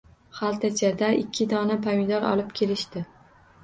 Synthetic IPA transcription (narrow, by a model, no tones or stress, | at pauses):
χalˠt̪ʰat͡ʃʰad̪aʔɪkʲʰːɪd̪ɒnapʰamid̪ɒɾɒ̰lɪpkʲʰe̞lɪʃt̪ɪ